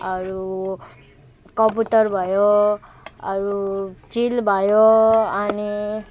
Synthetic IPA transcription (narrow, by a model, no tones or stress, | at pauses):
ʌɾu | kʌmputʌrbʱʌjo | ʌɾut͡silbʱʌjoʌni